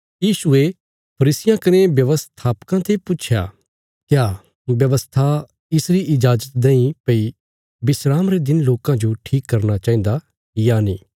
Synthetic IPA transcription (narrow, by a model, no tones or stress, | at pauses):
jiːsue | pʰɐɾiːsɪjãkɐnebjɐʋəst̪ʰaːpkãt̪ʰepʊt͡ʃʰja̰ | kjaː | bjɐʋəst̪ʰa | ɪsɾiʔɪd͡ʒaːd͡ʒət̪̚d̪ɐ̃ĩpɐi | bɪsɾaːmɾed̪ɪnloːkãd͡ʒoʈʰiːkːɐɾnat͡ʃaːĩn̆d̪a | janiː